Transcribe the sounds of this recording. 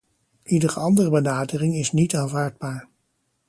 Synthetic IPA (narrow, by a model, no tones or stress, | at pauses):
ʔidərəɑndərəbənaːdərɪŋɪsnitaːnvaːɹd̚baːɹ